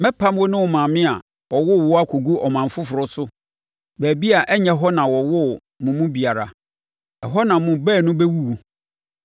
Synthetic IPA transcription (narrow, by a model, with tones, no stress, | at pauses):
mɛ̃˦pʰã˦m˦wɔ˦nʊ̃˦wɔ˨mã˨mɪ̃˦a˨ | ɔ˨wʊ˦˨wɔ˦a˦kʰo˨ɡu˦ʔɔ˨mã˨m˨fʊ˦fʊ˨ɾʊ˦sʊ˦ | bæː˨bi˦a˨ʔɛ˦ɲɛ̃˨ɦɔ˦nã˨wɔ˨wʊ˦ | mʊ̃˨mʊ̃˦bi˨a˨ɾa̰˨ | ɛ˨ɦɔ˦nã˨mʊ̃˦bɛː˦˨nʊ̃˦bɛ˦wu˦wu˨